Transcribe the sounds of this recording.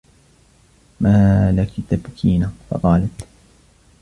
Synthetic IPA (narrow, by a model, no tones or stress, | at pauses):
maːlakt̪abkʰiːnafɑ̰qɑːlat̪